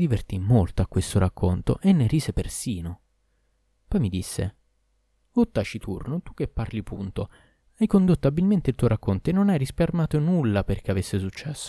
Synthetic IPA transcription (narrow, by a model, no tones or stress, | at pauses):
d̪ivert̪imːolt̪oakːwest̪oɾakːont̪o̰ʔenːeriːsepersiːno | pɔjmid̪isːḛ | ot̪ːat͡ʃit̪ṵrnot̪ukːepːarlipunt̪o | ajkond̪ot̪ːoabilment̪eilt̪uojɾakːont̪oenːonajɾisparmaːt̪onulːaperk̟eavesːesut͡ʃːɛsːo̥